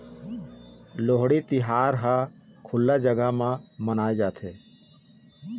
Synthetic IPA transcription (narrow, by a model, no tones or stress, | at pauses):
loɦɽit̪ɪɦaːɾɦãkʰʊlːad͡ʒəɡəmãmənaːed͡ʒaːt̪ʰeː